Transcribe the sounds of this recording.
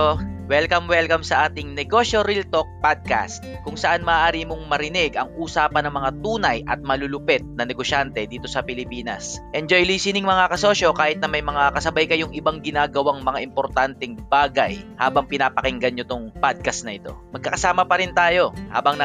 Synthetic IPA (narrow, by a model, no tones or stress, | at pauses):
owɛlkɐmwɛlkɐmsɐʔaːt̪ɪŋnɛɡo̞ʃo̞ɾilt̪ok̚pad̪̚ka̰st̪̚kʊŋsɐʔanmɐːʔaːɾimʊŋmɐɾɪnɪɡʔɐŋʔuːsaːpɐnɐŋmɐŋat̪uːnɐjʔɐ̰t̪̚mɐlʊlʊpɛt̪̚nɐnɛɡo̞ʃant̪ɛd̪iːt̪o̞sɐpɪlɪpiːnɐ̰sʔɛnd͡ʒojliːsɪnɪŋmɐŋakɐsoʃo̞kaːhɪt̪nɐmɐjmɐŋakɐsɐbajkɐjʊŋʔɪbaŋɡɪnaːɡɐwaŋmɐŋaʔɪmpoɾt̪ant̪ɛŋbaːɡɐ̰jha̰ːbɐŋpɪnaːpɐkɪŋɡɐnɲot̪oŋpad̪̚kɐst̪nɐʔɪt̪o̞̰mɐɡkːɐkɐsaːmɐpɐɾɪnt̪aːjo̞ha̰ːbɐŋnɐ